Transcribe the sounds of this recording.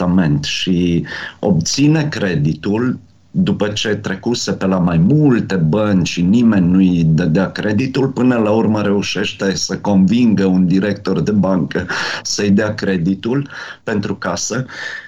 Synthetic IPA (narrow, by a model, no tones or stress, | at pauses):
ame̞nt̪ʃio̞̰b̚t̪sine̞kɾe̞d̪it̪ul | d̪upət͡ʃe̞t̪ɾe̞kuse̞pe̞lamajmult̪e̞bənt͡ʃinime̞nʲnuid̪əd̪eakɾe̞d̪it̪ulpɨnəlaurməɾe̞uʃe̞ʃt̪e̞səko̞nviŋɡəund̪iɾekt̪o̞rd̪e̞baŋkəsəjd̪eakɾe̞d̪it̪ulpe̞nt̪ɾukasə